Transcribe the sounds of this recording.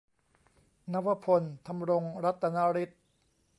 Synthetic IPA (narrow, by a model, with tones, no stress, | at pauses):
na˦˥wa˧pʰo˧nt̪ʰa˧mɾo˧ŋɾa˦˥t̪ːa˧na˦˥ɾi˦˥t̪̚